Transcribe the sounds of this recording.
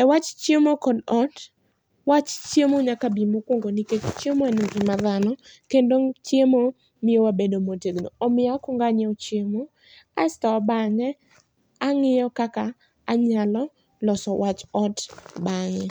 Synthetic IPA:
ɛwat͡ʃt͡ʃjemokɔdɔt | wat͡ʃt͡ʃjemoɲakabimokwoŋɡoniket͡ʃt͡ʃemanoɡɪmaðanɔkendoŋt͡ʃjemo | mɪjowabedomotedno̰ɔmɪakɔŋɡaɲɔt͡ʃjemo | astɔbaŋɛ | aŋɪjɔkakaː | ɲalɔ | lɔsɔwat͡ʃɔtbaŋɛ

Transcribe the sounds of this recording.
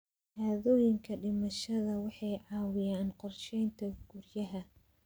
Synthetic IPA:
haːðɔːjɪŋkʰɐɖɪmɐʃɐðɐwɑħɑjʕɑːwɪjaːnqɔrʃɛjnt̪ʰɐɡ̥ʊrjɐɦɐ

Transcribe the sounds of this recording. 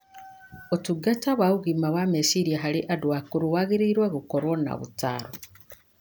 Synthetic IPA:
otuɡataβwauɣimawamesiɾijaɦaliʔadwakuɾuwaɣiɾiɾweɣukoɾwona̰βṵta̰ɾo

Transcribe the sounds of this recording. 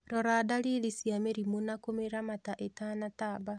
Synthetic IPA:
ɾɔɾaːdaɾiɾisiameɾimonakomeɾamataʔetanataba

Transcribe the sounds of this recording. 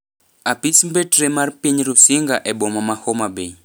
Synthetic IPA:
apismbɛtɾɛmaɾpiɲiɾusiŋɡaʔɛɓɔmamahɔmabei

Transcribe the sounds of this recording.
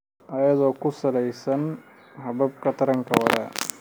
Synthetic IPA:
ɐjɐd̪okusɐlɐjsɐn | ɦɐbɐp̚kɐt̪ɐɾɐŋkɐʋɐɾɐ̰

